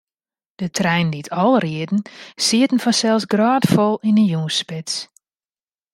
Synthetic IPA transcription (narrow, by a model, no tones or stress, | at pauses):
d̥ətʰrɛjnditʰɔlˠriədn̩siətn̩fɔnsɛlˠsɡraːtfɔlˠinənjuːspɪts